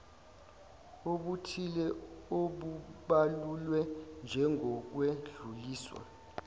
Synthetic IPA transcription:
oɓutʰilɛoɓuɓalulwɛnd͡ʒʱɛŋɡʱɔk̬weɮuliːswa̰

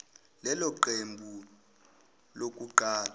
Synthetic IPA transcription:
lɛlɔǃembʱu | lok̬ʼuǃaːla

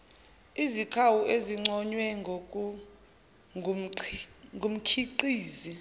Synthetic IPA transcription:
izikʰawuʔeziŋ͡ǀɔɲwɛŋʱokʼu | ŋɡʱum̩kʰiǀiːzi

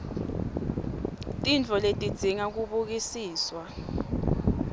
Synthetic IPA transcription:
tʼint͡fʰɔletʼid̥z̥ʱiŋak̬uɓuk̬isiːswa

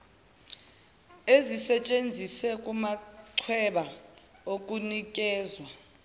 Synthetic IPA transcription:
ezisɛt͡ʃʼend͡zʱiswɛkʼumaǀʰwɛɓaokʼunikʼɛːzwa

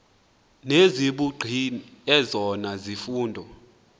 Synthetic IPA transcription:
neziɓuɡ͡ǀʱiniɛzɔnazifuːndʱɔ

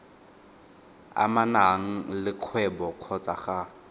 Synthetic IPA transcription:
a̰manaŋ̩lɪq͡χʰwɛbɔq͡χʰɔt͡saχa

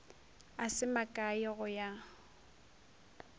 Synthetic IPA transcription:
asɪmakʼaɪɣʊja

